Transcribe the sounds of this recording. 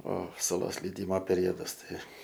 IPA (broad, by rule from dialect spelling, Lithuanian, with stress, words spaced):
oː sʊˈlˠoːs lʲɛɪˈdʲiːmoː pʲɛˈrʲoːdɐs ˈtɐɪ